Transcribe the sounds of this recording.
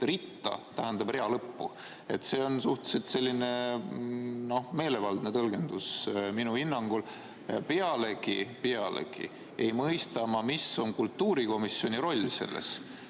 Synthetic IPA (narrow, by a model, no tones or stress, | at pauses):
rit̪ːɑ̰t̪æɦend̪̥ɑbre̞ɑlɤpːu | e̞t̪se̞ːo̞nsuht̪u̥set̪se̞lʲːine̞ | no̞me̞ːle̞vɑld̪̥ne̞t̪ɤlɡe̞nd̪̥usminuhinːɑŋɡ̥ul | pe̞ɑle̞ɡipe̞ɑlḛɡ̥ḭ | e̞jmɤjst̪ɑmɑmiso̞nkult̪ːuːɾiko̞misːjoniɾo̞lʲːse̞̰lːḛs